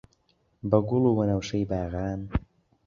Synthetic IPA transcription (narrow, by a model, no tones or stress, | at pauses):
bɐɡʊlˠuwɐnɐwʃɐjbaːɣaːn